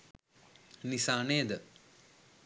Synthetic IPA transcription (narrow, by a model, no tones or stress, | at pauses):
nisaːneːd̪ə